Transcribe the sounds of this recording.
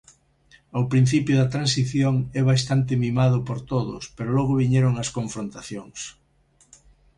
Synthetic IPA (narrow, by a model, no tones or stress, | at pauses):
awpɾin̟θipjʊðɐt̪ɾansiθjoŋɛβas̬t̪ant̪ɪmĩmaðʊpoɾt̪oðʊ̰speɾolɔɣʊβiɲɛɾʊŋɐskoɱfɾont̪aθjoŋs